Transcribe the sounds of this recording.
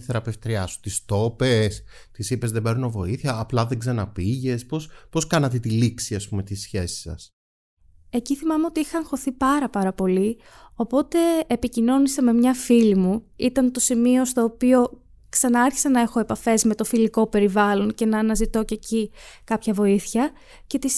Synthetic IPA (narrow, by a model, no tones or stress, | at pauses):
θeɾɐpe̞ft̪ɾiɐsu̥t̪ist̪o̞pes | t̪isipe̞zðebeɾunovo̞iθiɐːplɐðeɡzɐnɐpiʝe̞spospo̞skɐnɐt̪et̪iliksiɐspume̞t̪isçesi̥sɐ̰s | e̞ciθimɐme̞o̞t̪iixɐɐŋxo̞θipɐɾɐpɐɾɐpo̞li | o̞po̞t̪e̞ːpicino̞niseme̞mɲɐfilimuit̪ɐnt̪o̞simio̞st̪o̞ːpio̞ | ksɐnɐɐɾçi̥sɐnɐe̞xo̞e̞pɐfe̞zme̞t̪o̞filiko̞pe̞ɾivɐlo̞nce̞nɐːnɐzit̪o̞ce̞cikɐpçɐvo̞iθçɐ | ce̞t̪is